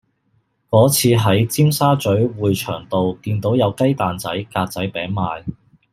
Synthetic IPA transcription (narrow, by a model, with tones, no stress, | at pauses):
kɔː˨˥t͡sʰiː˧ɦɐ˨˥jt͡siː˥msaː˥t͡ʃɵ˨˥ɥwuː˨jt͡ʃʰœː˨˩ŋt̪o˨wkiː˧nt̪o˨˥wjɐ˨˧wkɐ˥jt̪aː˨nt͡sɐ˨˥jkaː˧t̚t͡sɐ˨˥jpɛː˨˥ŋmaː˨˧j